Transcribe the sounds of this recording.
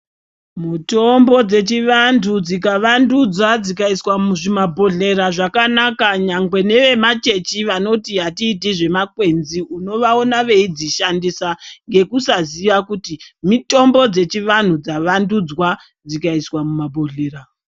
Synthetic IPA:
mutombo̞d͡ze̞t͡ʃiʋandʰud͡zikaʋandud͡zwad͡zikaiswamuʐimabʱo̞ɮe̞ɾaʐakanakaɲaŋɡwe̞ne̞ʋe̞mat͡ʃe̞t͡ʃiʋano̞tiɦatiːt̬iʐe̞makwe̞nziuno̞ʋao̞naʋe̞id͡ziʃandisaŋɡe̞kusaziʋakutimito̞mbo̞d͡ze̞t͡ʃiʋan̤ud͡zaʋandud͡zwa | d͡zikaiswamumabʱo̞ɮe̞ːɾa

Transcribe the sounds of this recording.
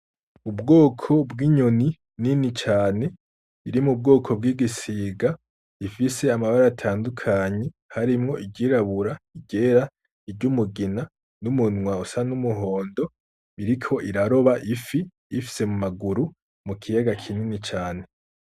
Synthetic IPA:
ubɡo̞ːkʰo̞bɡiːɲoni | ninit͡ʃaːne̞ | iɾimub̚ɡo̞ːkʰo̞bɡiːɡisiːɡa | ifise̞amaβaɾaːtʰaːndukʰaɲe̞ | haɾimŋo̞ʔiɡɟiɾaβuɾaiɟeɾa | iɟumuɡina | numunŋwausanumuɦoːndo̞ | βiɾikʰo̞ʔiɾaɾo̞βaʔifiː | fi̥se̞mumaɡuɾu | mukʰijaɡakʰininit͡ʃaːne̞

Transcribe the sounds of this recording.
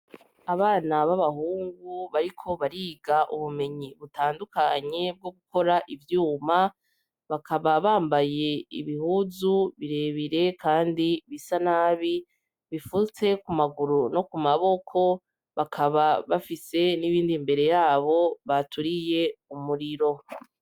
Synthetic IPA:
aβaːnaβaβaɦuːŋɡuβaɾikʰo̞βaɾiːɡaʔuβume̞ɲiβutaːndukaɲe̞b̚ɡo̞ɡukʰo̞ɾaʔivjuːma | βakaβaβaːmbaje̞ḭβihuzuβiɾe̞βiɾe̞kʰaːndiβisanaːβi | βifut͡se̞kumaɡuɾuno̞kumaβo̞kʰo̞ | βakʰaβaβafise̞niβiːndimbe̞ɾe̞jaːβo̞βatuɾije̞umuɾiɾo̞

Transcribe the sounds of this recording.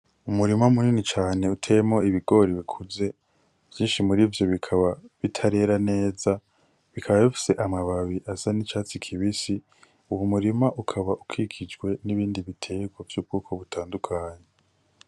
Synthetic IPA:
umuɾimaumuninit͡ʃaːne̞utʰejemoiβiɡo̞ɾiβikʰuze̞ | v̥jiːnʃimuɾivjo̞βikʰaβaβitʰaɾe̞ɾane̞ːza | βikʰaβaβifi̥se̞ʔamaβaβiʔasanit͡ʃaːt͡sikʰiβisi | uwumuɾimaʔukʰaβaʔukʰikʰid͡ʒɡwe̞niβiːndiβitʰe̞ɡwavjuːb̚ɡukʰoβutʰaːndukʰaːɲe

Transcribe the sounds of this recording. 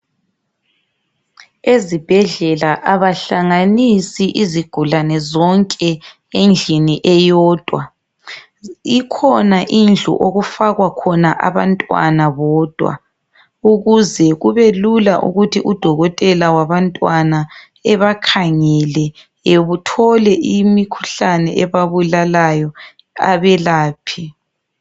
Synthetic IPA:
ezib̥ʱɛɮɛlaʔaβaɬaŋanisiʔiziɡ̥ʱulanɛzɔŋkʼɛ | end͡ɮʱiniʔɛjɔːd̥ʱwa | ikʰɔnaʔind͡ɮʱṵʔoɣufaɣwakʰɔnaʔaβantʼwa̰naβɔːd̥ʱwa̰ | uɣuzɛɣuβelulaʔṵɣutʰiʔud̥ʱɔɣɔtʼɛlawaβantʼwana | ɛβakʰaŋɛlɛ | eβutʰɔlɛʔimikʰu̥ɬanɛʔɛβaβulalajɔ | a̰βɛlaːpʰi

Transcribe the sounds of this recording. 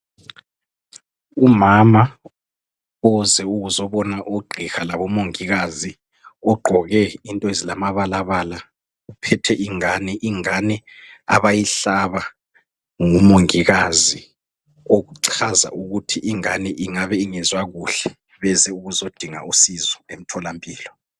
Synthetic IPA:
umama | ɔzɛuɣuzɔβɔnaʔoɡ͡ǃʱixalaβɔmoŋiɣazi | ɔɡ͡ǃʱɔɣɛintʼɔezilamaβalaβala | upʰɛtʰɛʔiŋanɛʔiŋanɛa̰βajiɬaβa | ŋumoŋiɣazi | oɣuǀʰaza̰ʔuɣutʰiʔiŋanɛʔiŋaβɛiŋɛzwaɣuɬɛ | βɛzɛuɣuzod̥ʱiŋa̰ʔusizɔem̩tʰɔlampʼiːlɔ

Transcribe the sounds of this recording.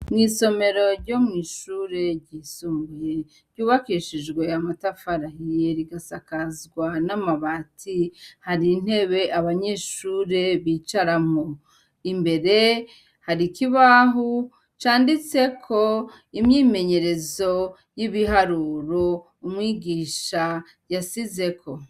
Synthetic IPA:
mŋiːso̞me̞ɾo̞ɾɟo̞mŋiːʃuɾe̞ɟiːsumbuje | ɾɟuːβakiʃid͡ʒɡwe̞amatafaɾahijeɾiɡasakazɡwanamaβatʰihaɾin̥he̞βe̞ʔaβaɲe̞ːʃuːɾe̞βiːt͡ʃaɾamo | imbe̞ɾe̞ | haɾikiβaɦu | t͡ʃaːndit͡se̞kʰo̞ | imɲiːme̞ɲe̞ɾe̞zo̞ | jiβiɦaɾuːɾo | umŋiːɡiːʃa | jasize̞kʰo̞

